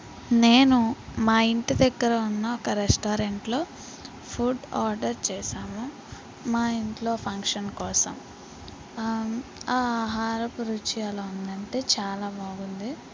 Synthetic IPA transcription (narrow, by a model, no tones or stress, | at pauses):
ne̞ːnumaːiɳʈid̪ɐɡːɐɾɐunːɐɔkɐɾesʈaːɾeɳʈlo̞ː | pʰuɖaːɾɖɐɾt͡ʃɛːsaːmu | maːiɳʈlo̞ːpʰɐŋkʂɐnkɔːsɐ̰m | aːɦaːɾɐpuɾut͡ʃialɐund̪ɐɳʈe̞ːt͡ʃaːlaːbaːɡund̪i